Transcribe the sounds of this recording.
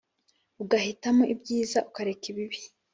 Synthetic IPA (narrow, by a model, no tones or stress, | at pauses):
uɡahitamo̞ʔibɟiːzaʔukaɾekiβiβi̥